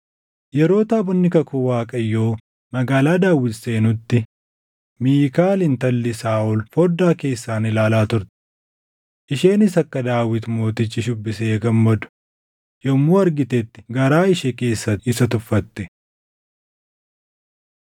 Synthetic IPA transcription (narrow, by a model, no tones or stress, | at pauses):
jɛɾo̞ːt̪aːbɔnːɪkɐkʊwaːkʼɐjːo̞ː | mɐɡaːlaːd̪aːwːɪt̪se̞ːnʊt̪ːɪ | miːkaːlɪnt̪ɐlːɪsaːʔʊlfɔd̪aːke̞ːsːaːnɪlaːlaːt̪ʊɾt̪ɛ̥ | ʔɪʃe̞ːnɪsɐkːɐd̪aːwɪt̪mo̞ːt̪ɪt͡ʃːɪʃʊbːɪseːɡɐmːɐd̪ʊ̥ | jɔmːuːɐɾɡɪt̪ɛt̪ːɪ̥ɡɐɾaːɪʃɛke̞ːsːɐt̪ɪsɐt̪ʊfːɐt̪ːɛ